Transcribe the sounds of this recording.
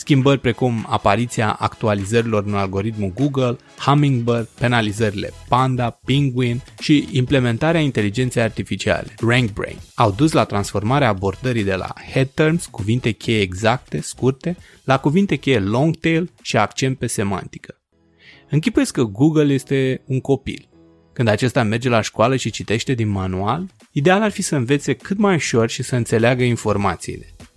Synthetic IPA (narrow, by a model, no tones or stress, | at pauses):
skʲimbərʲpɾe̞kuma̰paɾit̪sia̰ʔa̰kt̪ualizəɾilo̞rɨnalɡo̞ɾit̪muɡuɡəl | hamiŋɡbərɡpe̞nalizəɾile̞̰pand̪apiŋɡwinʃiimple̞me̞nt̪aɾeaint̪e̞lid͡ʒe̞nt̪sejart̪ifit͡ʃia̰le̞̥raŋɡ̚bɾḛŋawd̪uslat̪ɾansfo̞rmaɾeaːbo̞rd̪əɾijd̪e̞la̰hed̪̚t̪ermskuvint̪e̞kʲʰejeeɡzak̚t̪e̞skurt̪e̞ | lakuvint̪e̞kʲejelo̞ŋɡt̪elʃiakt͡ʃe̞nt̪̚pe̞se̞ma̰nt̪i̥kʰə̥ | ɨŋk̬ʲipujetsʲkəɡuɡəlje̞st̪e̞uŋko̞pḭl | kɨnd̪at͡ʃe̞st̪ame̞rd͡ʒe̞laʃkoaləʃit͡ʃit̪e̞ʃt̪e̞d̪inmanual | id̪e̞alarfisəɨnve̞t̪se̞kɨt̪majuʃo̞rʃisəɨnt̪se̞leaɡəinfo̞rmat̪siḭle̞